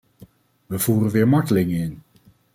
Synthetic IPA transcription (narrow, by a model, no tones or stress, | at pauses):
ʋəv̥uːrənʋɪːɹmɑɹtəlɪŋəɪn